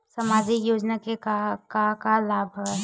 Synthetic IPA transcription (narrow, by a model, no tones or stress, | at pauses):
sɐmaːd͡ʒijoːd͡ʒnakekakakalaːbʱɦo